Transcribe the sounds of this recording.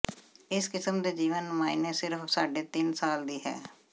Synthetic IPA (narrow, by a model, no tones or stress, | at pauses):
ɪskɪsəmd̪eːd͡ʒiːʋənːmaːineːsɪɾfsaːɖeːt̪ɪnsaːld̪iːɦɛ̰ː